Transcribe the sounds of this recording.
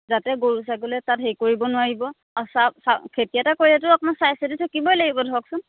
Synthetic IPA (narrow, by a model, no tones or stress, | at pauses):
zatɛɡoɹus̬aɡolɛtatɦejkoɹibɔnʊwaɹibɔ | sasakʰetijatakoɹɛtʊapɔnasajsɛtitʰakibɔjlaɡibɔdʱɔɔksʊn